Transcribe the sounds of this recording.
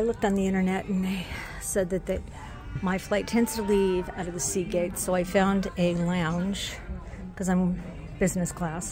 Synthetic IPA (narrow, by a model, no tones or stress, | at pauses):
aɪlʊk̚tn̩ðiɪ̃ɾ̃ə˞nɛɾn̩ðeɪ | sɛd̪̚ðɨt̪̚ðɨ | maɪflaɪtʰɛ̃ndz̥tʰəliva̰ʊɾʌvðɨsiɡeɪtsoʊaɪfãʊ̃ndɨlãʊ̃nʒ̥ | kʰʌzãɪ̃mm | b̥ɪznɨskʰl̥æs